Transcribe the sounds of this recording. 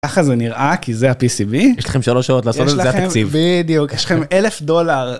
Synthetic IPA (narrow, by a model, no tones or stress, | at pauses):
kaχazeniʁʔakizeapisibijɛʃla̰χemʃaloʃaot̪laːsjoleataekmivbid̪ijukjɛʃlaχemelefdo̞laʁ